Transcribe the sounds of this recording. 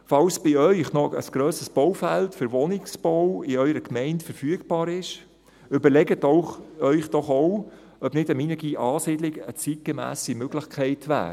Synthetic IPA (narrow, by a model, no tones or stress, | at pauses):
fɑlsb̥ɪœʏχnɔʔə̰sɡ̥ɾøːsəsb̥owfæltfʏɾʋɔnɪksb̥owɪœʏɾəkmɛɪntfəɾfyːəɡb̥ɑːɾɪʃ | ʏbəɾlɛɡətoʊœʏχd̥ɔχoʊ | œbnɪdəminəɡ̥iʔɑːsɪdlɪɡət͡sit̚ɡ̥emæ̰ːsimøɡlɪχkʰɛɪtʰʋæ̰ːɾ